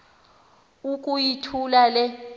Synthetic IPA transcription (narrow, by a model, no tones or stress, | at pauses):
ukʼujitʰulalɛ